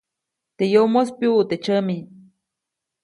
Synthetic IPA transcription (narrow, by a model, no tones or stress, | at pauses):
t̪ejomospjuːt̪et͡ʃəmi